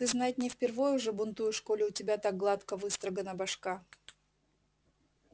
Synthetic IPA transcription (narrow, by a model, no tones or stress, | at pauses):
t̪ɨznat̪̚ʲnʲɪfpʲɪrvojʊʐɨbʊnt̪ujʊʂkolʲʊʊtʲɪbʲat̪aɡ̚ɡlˠat̪kəvɨst̪ɾəɡənəbɐʂka